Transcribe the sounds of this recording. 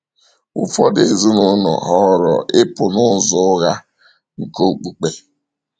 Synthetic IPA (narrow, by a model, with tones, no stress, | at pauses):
ʊ˦fɔ˦de˨zu˦nʊ˦nɔ̰˨ɦɔ˦ɾɔ̰˨ʔɪ˦pʊ˨nʊ˦˨zɔ˦ɣa˦ | ŋ̩˨ko˦˨k͡pu˨k͡pe˦